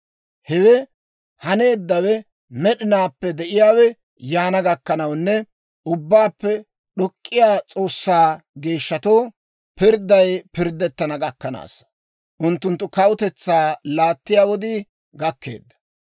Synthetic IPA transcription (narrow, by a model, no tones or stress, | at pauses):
hɛwɛ | hɐne̞ːd̪ːɐwɛ | mɛɗɪnaːpːɛd̪ɛʔɪjaːwɛ | jaːnɐɡɐkːɐnɐwnːɛ | ʊbːaːpːɛ | ɗɔkʼːɪjaːt͡sʼo̞ːsːaːɡe̞ːʃːɐt̪o̞ː | pɪɾd̪ːɐjpɪɾd̪ːɛt̪ːɐnɐɡɐkːɐna̰ːs | ʔʊnt̪ːʊnt̪ːʊkɐwʊt̪ɛt͡sːaːlaːt̪ːɪjaːwɔd̪iː | ɡɐkːe̞̰ːd̪ːɐ̥